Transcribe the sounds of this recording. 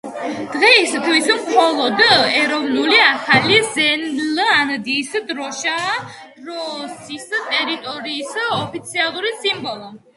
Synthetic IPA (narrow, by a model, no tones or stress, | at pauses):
d̪̥ʁɛst̪ʰvismχɔlˠɔd̪ɛɾɔvnuliaχalizɛnland̪iːsd̪ɾɔʃa | ɾɔsist̪ʼɛɾit̪ʼɔɾiːsɔpʰit̪sʰialˠuɾisimbɔlˠɔ